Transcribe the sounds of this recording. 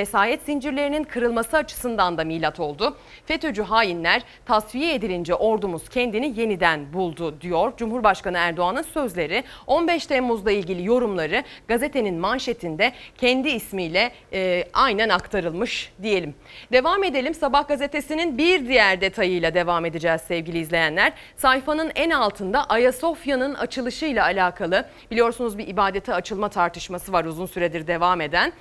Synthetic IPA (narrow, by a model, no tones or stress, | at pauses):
esaːjɛt̪sind͡ʒiɾlʲe̞ɾininkʰɯɾɯlˠmasɯat͡ʃʰɯ̥sɯnd̪and̪amilʲat̪ʰo̞lˠd̪ʊ | fe̞t̪ʰo̞d͡ʒyɦaːjinlʲæɾ̥ | t̪ʰasvijɛed̪ilʲind͡ʒɛʔo̞ɾd̪umuz̥cʰɛnd̪inije̞nid̪ænbulˠd̪ʊd̪ijo̞ɾd͡ʒumhuɾbaʃkanɯæɾd̪o̞anɯnsø̞zlʲe̞ɾɪo̞nbɛʃt̪ʰɛmːuzlˠailʲɟilʲijo̞ɾumlˠaɾɯɡ̥aze̞t̪ʰe̞ninmanʃet̪ʰind̪ɛcʰɛnd̪iːsmijlʲɛ | ajnænakt̪ʰaɾɯlˠmɯʃd̪ije̞lʲim | d̪e̞vame̞d̪elʲimsabahɡaze̞t̪ʰe̞sininbiɾd̪ijæɾd̪e̞t̪ʰajɯjlˠad̪e̞vaːme̞d̪id͡ʒɛːzsɛvɟilʲiːzlʲe̞jænlʲæɾ̥ | sajfanɯnænalˠt̪ʰɯnd̪aʔajaso̞fjanɯna̰t͡ʃʰɯlˠɯʃɯjlˠaːlʲaːkʰalˠɯ | bilʲijo̞ɾsunuzbiʔibaːd̪et̪ʰɛat͡ʃʰɯlˠmat̪ʰaɾt̪ʰɯ̥ʃmasɯvaɾuzunsyɾɛd̪iɾd̪e̞vame̞d̪æn